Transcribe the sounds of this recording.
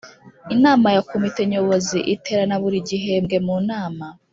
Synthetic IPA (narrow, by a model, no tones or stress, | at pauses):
inaːmajakomite̞ɲo̞βo̞ziʔite̞ɾanaβuɾiɟiɦe̞mɡe̞muːnaːma